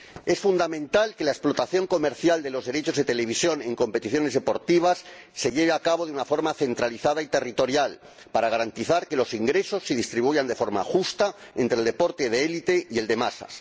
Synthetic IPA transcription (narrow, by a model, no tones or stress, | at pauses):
e̞sfund̪amẽ̞nt̪alke̞laesplo̞t̪aθjo̞ŋko̞meɾθjald̪e̞lo̞zðe̞ɾe̞t͡ʃo̞zðet̪e̞le̞β̞isjo̞ne̞ŋko̞mpe̞t̪iθjo̞ne̞zðe̞po̞ɾt̪iβ̞asː | e̞ʎe̞β̞eakaβo̞ð̞eunafo̞ɾmaθe̞nt̪ɾaliθað̞ait̪e̞rit̪o̞ɾjal | paɾaɣaɾant̪iθaɾke̞lo̞siŋɡɾe̞so̞sːeðist̪ɾiβ̞ujand̪e̞fo̞ɾma̰xust̪a | ẽ̞nt̪ɾe̞ld̪e̞po̞ɾt̪e̞ðeelit̪e̞ie̞ld̪e̞masa̰s